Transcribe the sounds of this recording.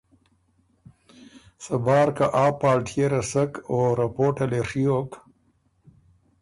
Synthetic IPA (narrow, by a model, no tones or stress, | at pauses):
sɐbaːɾkaʔaːpaːlʈʰijeɾɐsɐkoɾɐpoːʈɐleʂiok